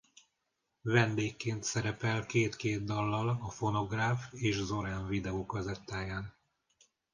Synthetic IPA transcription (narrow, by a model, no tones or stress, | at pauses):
vɛnd̪eːkːeːnt̪sɛɾɛpɛlkeːt̪keːd̪d̪ɒlːɒlɒfo̞no̞ɡraːfeːʃzo̞ɾaːɱvid̪ɛoːkɒzɛt̪ːaːjaːn